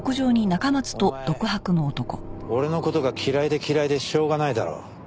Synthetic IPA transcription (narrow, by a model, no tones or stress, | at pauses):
okɯ̟ʑo̞ːɲ̟inakamat͡sɨ̥t̪o̞d̪o̞kɯ̟ɦakɯ̟no̞ːt̪o̞ko̞̰o̞ɾe̞no̞ko̞t̪o̞ɡakʲʰiɾaid̪e̞kʲiɾaid̪e̞ɕo̞ːɡanaid̪a̰ɾo̰ː